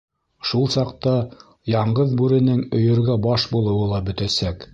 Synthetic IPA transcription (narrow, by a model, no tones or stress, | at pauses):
ʃulˠsɑqt̪ɑ | jɑɴɢɤðbʉɾɘ̆nɘŋɵ̆jɵ̆ɾɡæbɑʃbulˠɤ̆wɤlˠɑbɵ̆t̪æsæk